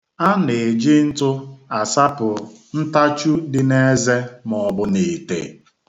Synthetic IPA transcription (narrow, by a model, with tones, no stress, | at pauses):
a˦ne˨d͡ʒɪ˦n̩˦tʊ˦a˨sa˦pʊ˨n̩˦ta˦t͡ʃu˦dɪ˨ne˦ze˦mɔ˨bʊ˦ne˨tḛ˨